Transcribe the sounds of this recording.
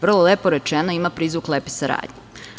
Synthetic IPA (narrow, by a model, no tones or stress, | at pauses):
ʋr̩lˠoleːpoɾet͡ʃenoimapɾiːzuklˠeːpi̥saɾa̰ːd̥̪ɲe